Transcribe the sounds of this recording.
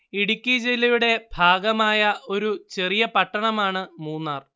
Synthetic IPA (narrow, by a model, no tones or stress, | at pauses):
iɽikʲːid͡ʑelːɐjuɽe̞bʱaːɡɐmaːjɐʔo̞ɾut͡ɕe̞rijɐpɐʈːɐɳɐmaːɳɨmuːnːaːr